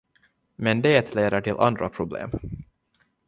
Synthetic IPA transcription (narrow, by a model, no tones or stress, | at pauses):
mɛnd̪eːt̪ʰleːd̪əʈʰɪlʔa̰nd̪ɾapʰɾʊblḛːm